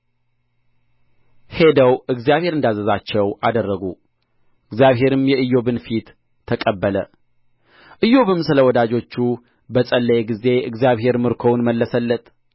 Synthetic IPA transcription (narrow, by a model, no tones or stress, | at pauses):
he̞d̪əwɨɡzijaβhe̞ɾɨnd̪azəzat͡ʃːɛwʔad̪ərːəɡu | ɨɡzjaβɦe̞ɾɨmjɛɨjːo̞βɨnfit̪ʰː | əkʼəbːələ | ʔɨjːo̞βɨmsɨləwɔd̪ad͡ʒo̞t͡ʃːu | bəsʼəlːəjeɡize̞ɨɡzjaβɦe̞ɾmɨɾkʰo̞wnməlːəsəlːət̪ʼ